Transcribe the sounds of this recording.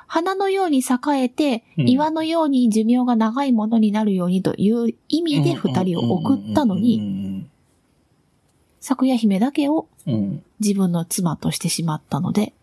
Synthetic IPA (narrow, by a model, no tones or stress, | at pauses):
hanano̞jo̞ːɲ̟isakae̞t̪e̞iβano̞jo̞ːɲ̟id͡ʑɨmʲjo̞ːɡanaɡaimo̞no̞ɲ̟inaɾɯ̟jo̞ːɲ̟it̪o̞̰jʔɯ̟ːimʲid̪e̞ɸɯ̟t̪aɾʲio̞̰ʔokɯ̟t̪ːano̞ɲ̟i | sakɯ̟jaçime̞d̪ake̞o̞ | d͡ʑibɯ̟̃nːo̞t͡sɨmat̪o̞ɕi̥t̪e̞ɕimat̪ːano̞̰d̪e̞